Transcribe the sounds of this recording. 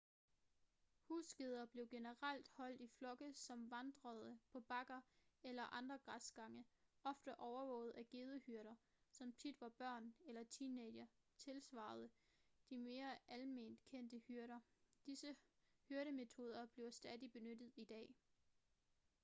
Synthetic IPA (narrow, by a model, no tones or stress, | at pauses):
huːsɡ̥e̝ð̞ˠɐb̥le̝ʊɡ̥e̝nəʁal̰d̥hɒ̽l̰d̥iflɒ̽ɡ̥əsɒ̽mʋɑ̈nd̥ʁɐð̞ˠəpʰɒ̽b̥ɑ̈ɡ̥ɐelɐʔɑ̈nd̥ʁɐɡ̥ʁɑsɡ̥ɑ̈ŋəɒ̽fd̥əʔɒʊɐʋɔ̽ʊð̞̩ˠæɡ̥e̝ːðˠəhyɐɾɐ | sɒ̽mt͡sʰid̥ʋɑ̈b̥ɶɐ̰nelɐt͡sʰiːnedɐ | t͡sʰe̝lsʋɑ̰̈ːð̞̩ˠə | d̥ime̝ːɐʔælme̝̰ːnd̥kʰen̰d̥əhyɐɾɐd̥isəhyɐɾəme̝t͡sʰo̝ːð̞ˠɐb̥le̝ʊsd̥ɛðˠib̥e̝nød̥ð̩ˠid̥ɛ̰ː